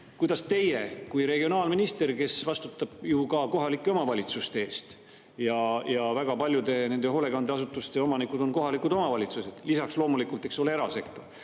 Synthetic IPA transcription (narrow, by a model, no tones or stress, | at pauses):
kujd̪ɑst̪e̞je̞kujɾe̞ɡio̞nɑːlminist̪e̞rke̞svɑst̪ut̪ːˑɑb̥jukɑko̞ɦɑlikˑːe̞o̞mɑvɑlʲit̪sust̪ee̞ːst̪ | jɑjɑvæɡ̥ɑpɑlʲjud̪e̞ne̞nd̪e̞ɦo̞le̞ɡ̥ɑnd̪eɑsut̪ːˑust̪e̞o̞mɑnikud̪̥o̞nko̞ɦɑlikud̪o̞mɑvɑlʲit̪sused̪̥lisɑkslo̞ːmulikult̪e̞kso̞leeɾɑse̞k̚t̪ːˑo